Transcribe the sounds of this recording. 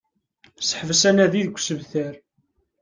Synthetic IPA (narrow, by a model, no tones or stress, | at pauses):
sə̥ħvəsænæðiðɡʷːsəvθəɾ